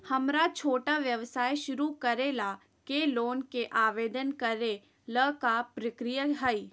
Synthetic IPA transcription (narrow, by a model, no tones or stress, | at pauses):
hɐmɾat͡ʃʰoːʈaʋjɐʋsaːjʃʊɾukɐɾela | keloːnkeʔaːʋeːd̪ənkɐɾe | ləkapɾɪkɾijəɦəi